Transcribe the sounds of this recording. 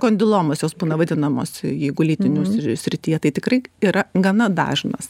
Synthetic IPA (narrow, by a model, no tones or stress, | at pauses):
koːnʲd̪ʲɪlˠoːmɐsjoːsbuːnɐʋɐd̪ʲɪnɐmo̰ːsɪjɛɪɡʊlʲiːt̪ʲɪnʲussʲɾʲɪt̪ʲiːjɛt̪ɐɪt̪ʲɪkrɐɪiːɾɐɡɐnɐd̪ɑ̰ːʒʲnɐs